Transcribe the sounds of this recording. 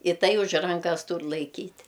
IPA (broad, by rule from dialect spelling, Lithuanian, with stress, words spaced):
ɪ ˈtɐɪ ʊʃ ˈrɐŋkɐs ˈtuːr lˠɐɪˈkʲiːtʲ